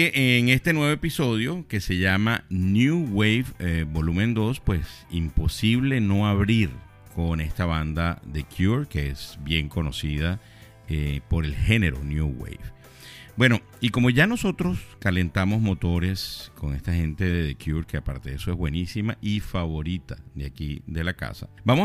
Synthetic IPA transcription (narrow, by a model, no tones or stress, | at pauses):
eŋe̞st̪e̞nwe̞βoepiso̞ðjo̞ke̞se̞ʝamanjuwejfebo̞lumẽnd̪o̞spwe̞simpo̞siβle̞no̞aβɾiɾ | kʰo̞ne̞st̪aβand̪aðe̞kʰjuɾkeesbje̞ŋko̞no̞sið̞a | epo̞ɾe̞lxe̞ne̞ɾo̞̰njuwḛjf | bwe̞no̞ | iko̞mo̞ʝano̞so̞t̪ɾo̞skale̞nt̪amo̞zmo̞t̪o̞ɾe̞sko̞ŋe̞st̪ahe̞nt̪e̞ðeðekjuɾkeapaɾt̪e̞ðeso̞e̞zβwe̞nisimaʔifaβo̞ɾit̪aðeakiðe̞laka̰sa̰bamo